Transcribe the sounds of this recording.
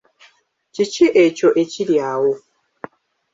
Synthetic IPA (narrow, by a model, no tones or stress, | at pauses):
t͡ʃit͡ʃiʔet͡ʃoʔet͡ʃiljawo